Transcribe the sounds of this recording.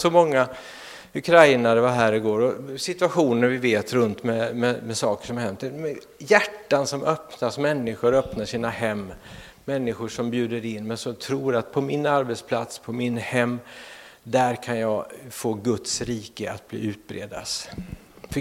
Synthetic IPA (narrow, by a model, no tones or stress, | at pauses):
sɔmɔŋːa | ɵkʰɾaɪnaɾvaɦæːɾɪɡoːɾɔsɪt̪ʉaɧuːnəɾvɪveːt̪ɾɵnt̪mɛmɛmɛsɑːkə̥ʂɔmaɾɦɛmt̪ːmɛ | jæʈːansɔmʔœpnasmɛnːɪɧʊɾœpnaʂiːnahɛmː | ɛnːɪɧʊʂɔmbjʉ̟ːd̪əɾɪnːmɛnsɔmt̪ʰɾuːɾat̪pʰɔmɪnaɾbɛt̪spʰlat̪spʰɔmɪnhɛmː | d̪æɾkʰanjɑɡfoːɡɵt̪sɾiːkəa̰t̪̚blḭːʉ̟ːt̪̚bɾḛːd̪a̰s | f